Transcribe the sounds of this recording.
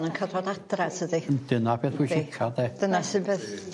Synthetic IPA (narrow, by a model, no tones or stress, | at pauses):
nənkʰarɔdadradədindɪnab̥eːθiʃɪkʰadɛd̥ənasɨːnbeːθ